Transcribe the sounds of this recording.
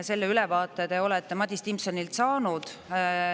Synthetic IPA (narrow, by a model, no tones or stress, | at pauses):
se̞lːeylɛvɑːt̪ːˑe̞d̪e̞o̞lɛt̪ːˑemɑd̪̥ʲist̪impsɑnilt̪sɑːnud̪̥